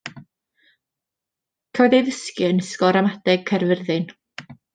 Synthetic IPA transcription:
kʰawðejðəskjɨənəskɔɾamadɛɡ̥̚kʰɛrvərðɨn

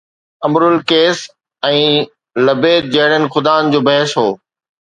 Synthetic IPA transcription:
ɐmɾʊlkeːs | ɛ̃ː | lɐbeːd̪̚d͡ʑɐɦɪɽənɪ̆xʊd̪aːn̆d͡ʑoːbɐɦɪʃɦoː

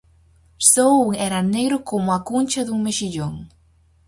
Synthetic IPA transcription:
souŋɛɾɐneɣɾʊkomʊakunt͡ʃɐðuŋmeʃiʎoŋ

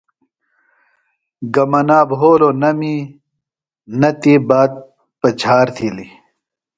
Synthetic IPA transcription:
ɡɐmɐnaːbɦoːɾoːnɐmi | nɐt̪iːbaːd̪̚ | pɐt͡ɕʰaːɾt̪ʰili

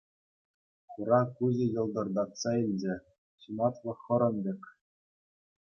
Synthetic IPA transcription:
χuɾɑkuʑɘ̆jɤ̆lˠd̪ɤ̆rd̪ɑt̪sɑilʲd͡ʑɘ̆ | ɕumɑt̪lˠɤ̆χɤ̆ɾɤ̆ndʲĕkʲ

